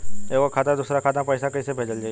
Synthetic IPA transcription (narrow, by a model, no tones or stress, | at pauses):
eʋakʰat̪ad̪ʊsɾakʰat̪apəjsakəisebʱed͡ʒəld͡ʒaː